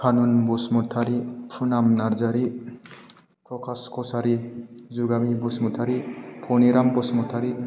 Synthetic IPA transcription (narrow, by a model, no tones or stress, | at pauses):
kʰanunbusmutʰaɾipʰunamnaɾzaɾi | pɾɔkʰaskʰɔsaɾizuɡamibusmutʰaɾipʰɔniɾambusmutʰaɾi